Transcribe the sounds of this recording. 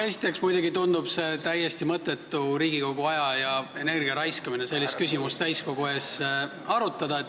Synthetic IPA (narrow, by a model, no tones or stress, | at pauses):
e̞si̥t̪ːˑe̞ksmujd̪eɡit̪ond̪ub̥se̞t̪æjːe̞st̪imɤt̪ːˑe̞t̪ːˑuɾiːɡiko̞ɡuɑjɑjɑe̞ne̞rɡiɑɾɑjskɑmine̞se̞lʲːist̪̚kysimust̪æjskoko̞ɦe̞s | ɑɾut̪ːˑɑd̪ɑet̪ː